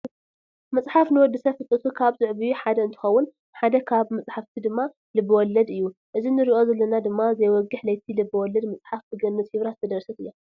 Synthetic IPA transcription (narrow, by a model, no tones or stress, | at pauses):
mɐt͡sʼħafnɨwɔd̪ːɨsɐfɨt̪ʼɨt̪ʰukʰaβzɨʕβijuħad̪ɐɨnt̪ʰɨ̥xɐwːʊn | ħad̪ɐkʰaβmɐt͡sʼħaft̪ʰid̪ɨmːa | lɨbːɨwɔlɐd̪ɨjːuʔɨzinɨɾiʔo̞zɐlːɐnad̪ɨmːazɐjwɔɡːɨħlɐjt̪ʰilɨbːɨwɔlːɐd̪mɐt͡sʼħafbɨɡɐnːɨt̪hiβɾat̪ʰɐd̪ɾɐsɐt̪ɨjːo